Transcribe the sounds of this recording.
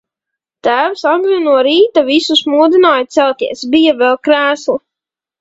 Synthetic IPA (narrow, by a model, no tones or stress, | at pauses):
t̪æːwsaɡ̪lʲinuɔɾiːt̪avisusmuːd̪inaːjt̪sɛlt̪ʲiɛsbijavɛlˠkɾæːslˠu